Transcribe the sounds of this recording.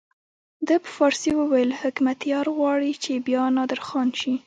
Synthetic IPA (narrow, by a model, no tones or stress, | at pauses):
d̪əpəfɑɾsiwəwajəlhɪkmat̪jɑɾɣwɑɽit͡ʃebjɑnɑd̪əɾxɑnʃi